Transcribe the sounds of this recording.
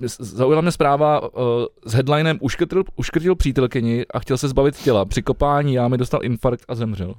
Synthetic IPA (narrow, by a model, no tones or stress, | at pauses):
zaujalamɲɛspɾaːva | zɦɛdlajnɛmʔuʃktɪlʔuʃkɾcɪlpr̝̥iːt̪ɛlkɪɲɪʔaxcɛlsɛzbavɪt̪cɛlapr̥ɪko̞paːɲiːjaːmɪdo̞st̪alʔɪnfaɾk̚t̪azɛmr̝ɛl